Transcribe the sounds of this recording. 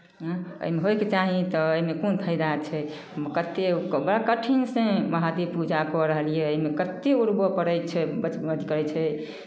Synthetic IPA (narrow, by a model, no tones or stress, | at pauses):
ə̰imeɦojket͡ʃaɦit̪ɔəimekonp̪ʰəjd̪at͡ʃʰɛ | kət̪ːekbəɽakəʈʰinsẽməɦad̪ipud͡ʒakɔɾəɦəlijɛəimekət̪euɾbəpəɾət͡ʃʰɛbət͡ʃəd̪ʱikəɾɛt͡ʃʰɛ